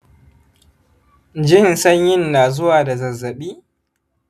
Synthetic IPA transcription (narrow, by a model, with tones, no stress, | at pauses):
d͡ʒɪ˦˨nsɐ˦ɲjɪ˦nːaː˨zʊ˦waː˨da˨zɐ˨zːɐ˨ɓiː˦